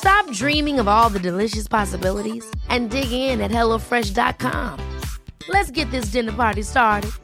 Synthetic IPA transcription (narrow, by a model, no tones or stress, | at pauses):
stɑp̚dɹĩmɪ̃ŋʌvɔlˠðɨdɨlɪʃɨspʰɑsəbɪlˠəɾizʔɨ̃ndɪɡɪ̃ŋɪ̃nɨt̚hɛlˠoʊfɹɛʃdɑ̰t̚kʰɑ̰̃m | lɨtsɡ̥ɛt̪̚ðɪs̬dɪ̃nə˞pɑɹɾistɑɹɾɨd̥̚